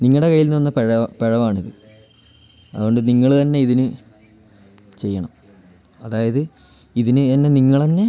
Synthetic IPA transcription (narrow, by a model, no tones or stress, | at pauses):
niŋːɐɭɽe̞kɐjːilnɨɐnːɐpeɻɐpeɻɐʋaːɳiðɨ | ɐ̰ðuɣo̞ɳɖɨniŋːɐɭt̪ɐnːe̞iðinɨ | t͡ɕe̞jːɐɳɐm | ɐðaːjɐðɨ | iðinɨɐnːe̞niŋːɐɭt̪ɐnːe